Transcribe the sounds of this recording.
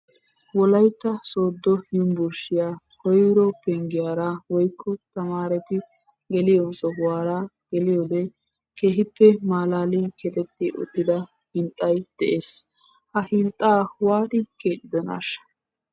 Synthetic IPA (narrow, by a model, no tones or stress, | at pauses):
wɔlɐjt̪ːɐsoːd̪ːɔjʊmbʊɾʃɪjaː | kɔjwɾɔpɛŋɡɪjaːɾawɔjkːɔt̪ɐmaːɾɛt̪ɪ | ɡɛlɪjɔnsɔhwaːɾa | ɡ̥ɛlɪjɔd̪ɛ | ke̞ːɦɪpːɛmaːlaːlikʰɛt̪ʼɛt̪ːɪʔʊ̰t̪ːɪd̪ɐ | hɪnt̪ʼːɐjd̪̥ɛʔeːs | hɐhɪnt̪ʼːaːwaːt̪ɪkeːᶑ̪ɪd̪ɔna̰ːʃɐ̥